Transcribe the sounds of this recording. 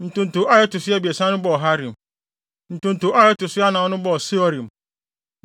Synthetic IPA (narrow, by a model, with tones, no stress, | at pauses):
n̩˨tʊ̃˨n̩˨tʊ˨ʔa˦jɛ˦tʊ˨sɪ˦a˦bi˨e˨sã˦nʊ̃˦bɔ˦ɔ˨ɦa˦ɾĩ˨m˨ | n̩˨tʊ̃˨n̩˨tʊ˨˦a˦jɪ˦tʊ˨sɪ˦a˦nã˨ɔ˦nʊ̃˦bɔ˦˨si˦ɔ˦ɾĩ˨m˨